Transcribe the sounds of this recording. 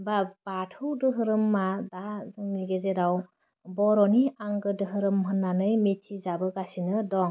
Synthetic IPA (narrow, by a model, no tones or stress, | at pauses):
babatʰɯwdɯɦɯɾɯmːadazɯŋniɡezeɾaw | bɔɾɔniaŋɡɯdɯɦɯɾɯmɦɯnːanɯjmetʰizabɯɡasinɯdɔŋ